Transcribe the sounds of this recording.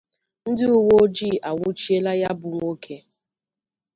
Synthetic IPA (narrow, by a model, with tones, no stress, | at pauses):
n̩˦dɪ˦u˦wo˦o˦d͡ʒi˦˨ʔa˨ŋʷʊ˦t͡ʃi˦e˦la˦ja˦bʊ˨ŋʷo˦kʰe˦